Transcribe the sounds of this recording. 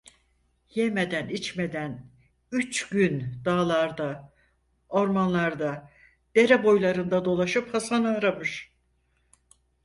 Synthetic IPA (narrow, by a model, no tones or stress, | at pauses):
jeme̞d̪ænit͡ʃme̞d̪æn | yt͡ʃɟynd̪aːlˠaɾd̪a | o̞ɾmanlˠaɾd̪a | d̪̥e̞ɾɛbo̞jlˠaɾɯnd̪ad̪o̞lˠaʃɯphasanaːɾamɯʃ